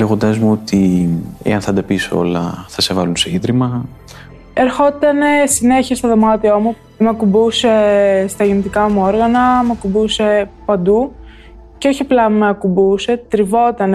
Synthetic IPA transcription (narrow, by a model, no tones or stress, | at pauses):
leɣo̞nd̪ɐzmuo̞t̪iḛɐnθɐd̪ɐpiso̞̰lɐ̰θɐse̞vɐlunseiðɾimɐ | e̞ɾxo̞t̪ɐne̞sine̞çiɐst̪oðo̞mɐt̪iomu | mɐkubuse̞st̪ɐʝenet̪ikɐmuo̞ɾɣɐnɐmɐkumbuse̞pɐnd̪u | ceo̞çiplɐmeɐkumbuse̞t̪ɾivo̞t̪ɐn